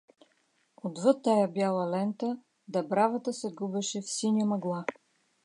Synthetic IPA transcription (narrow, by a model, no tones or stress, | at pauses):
od̪vɤt̪ːajabjalˠəlɛnt̪ə | d̪ɐbɾavət̪əsɛɡubɛʃɛfsinʲəmɐɡlˠa